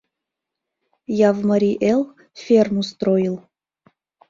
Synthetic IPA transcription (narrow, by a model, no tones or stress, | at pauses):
jɑvməɾʲiʔelˠ | fʲermust̪rojəlˠ